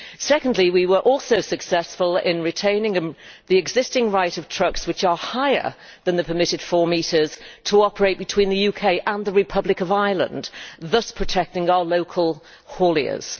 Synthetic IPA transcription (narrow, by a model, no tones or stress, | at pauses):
sɛkə̃n̩dˡliwiwə˞ʔɔlˠsoʊsɨksɛsfəlˠɪ̃nɹɨtʰẽɪ̃nɪ̃ŋɨðiɨɡzɪstɪ̃ŋɹaɪɾʌv̥tʰɹ̥ʌkswɨt͡ʃə˞haɪə̰˞ | ðə̃nðɨpʰəmɪɾɨd̥fɔːɹmiɾə˞z̥tʰəɒpə˞eɪt̚b̥ɨtʰw̥ĩnðɨjʉkʰeɪʔə̃nðəɹɨpʰʌblɨkəvaɪlˠə̰̃nðʌspʰɹ̥ɨtʰɛk̚tɪ̃ŋaʊəloʊkʰəlˠ | hɔːlˠiə̰z̥